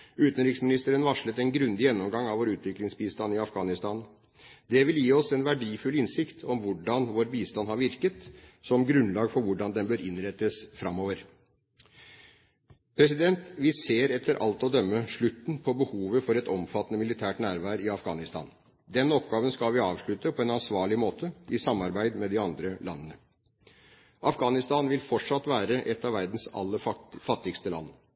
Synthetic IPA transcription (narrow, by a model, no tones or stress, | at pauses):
ʉːt̪ənɾɪksmɪnɪst̪əɾənʋɑʂɭət̪ɛnɡɾʉnd̪ɪjɛnːɔmɡɑŋɑʋoːɾʉːt̪ʋɪklɪŋsbiːst̪ɑnɪɑfɡɑːnɪst̪ɑːn | d̪ɛʋɪljiːɔsɛnʋæɖiːfʉlɪnsɪkt̪ʰɔmʋʊɖɑnʋoːɾbiːst̪ɑnhɑɾʋɪɾkət̪sɔmɡɾʉnlɑːɡfɔɾʋʊɖɑnd̪ɛnbœɾɪnɾɛt̪ːəsfɾɑmːoːʋəɾ | pʰɾɛs̬ɪd̪ɛnt̪ʋɪseːɾɛt̪ʰːəɾʔɑ̰lt̪ɔd̪œmːəʂɭʉt̪ːn̩pʰɔbəhuːʋəfɔɾɛt̪ɔmfɑt̪ːənəmɪlɪt̪ʰæːʈnæːɾʋɑːɾəɪɑfɡɑːnɪst̪ɑ̰ːn | d̪ɛnːɔpɡɑːʋənskɑlʋɪɑːʋʂɭʉt̪ːəpʰɔɛnɑnsʋɑːɭɪmoːt̪ʰəɪsɑmːɑɾbæɪd̪mɛd̪ɪɑnd̪ɾəlɑ̰nːənə | ʔɑfɡɑːnɪst̪ɑːnʋɪlfɔʈʂɑt̪ːʋæːɾəʔɛt̪ːɑʋæɾd̪n̩sɑ̰lːəfɑt̪ːɪɡst̪əlɑ̰n